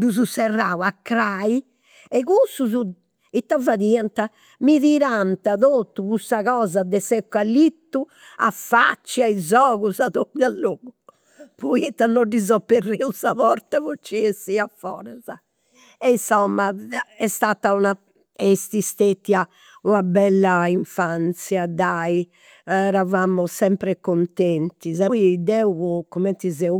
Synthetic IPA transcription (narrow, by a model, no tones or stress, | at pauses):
d̪uzusɛrːaːwakːɾaːi | ɛɣusuzu | it̪ːavaðiant̪a | miðiɾant̪aðoːt̪ːukusaɣɔːzad̪ɛsɛkːalːit̪ːu | a̰fːa̰t͡ʃːiaizɔːɣuzaðobalːoːɣu | pɔit̪ːanːɔɖizɔpːerːiusaβɔɾt̪avot͡ʃːiesːiafɔ̰ːɾɛza | ɛnsɔmːaɛst̪aːt̪auna | est̪ist̪et̪ːia | unabɛlːaiɱfant̪sjad̪ai | ɛɾavamɔsɛmpɾɛkont̪ɛnt̪izaid̪ɛuɣukɔmɛnt̪izɛu